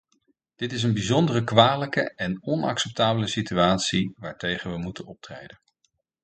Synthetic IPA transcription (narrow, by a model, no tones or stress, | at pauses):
d̥ɪtɪs̬ənbizɔndərəkʋaːləkəɛnɔnɑ̰ksɛp̚taːbələsityaːtsiʋaːɹtejχəʋəmutənɔp̚trejdən